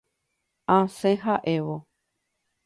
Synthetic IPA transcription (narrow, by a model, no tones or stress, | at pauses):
ãsẽɦaʔeʋo